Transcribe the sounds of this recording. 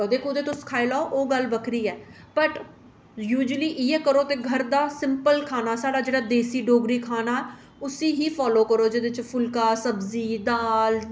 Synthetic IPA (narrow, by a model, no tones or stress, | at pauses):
oːd̪eːkʊd̪ẽːt̪ʊskʰaːiːlaoʔoːɡəlbəkʰɾiːɛː | pəʈ | juːd͡ʒəliːʔiːɛːkəɾoːt̪eːɡʱəɾd̪aːsɪmpəlkʰaːnaːsaːɽaːd͡ʒeːɽaːd̪eːsiːɖoːɡɾiːkʰaːnaːɛ | ʊsĩːɦiːpʰɔːloːkəɾoːd͡ʒeːd̪ɪt͡ʃpʰʊlkaːsəbziːd̪aːl